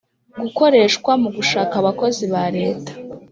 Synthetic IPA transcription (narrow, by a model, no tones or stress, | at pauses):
ɡuko̞ɾe̞ʃkwamuɡuʃaːkaβako̞ziβaɾe̞ːtḁ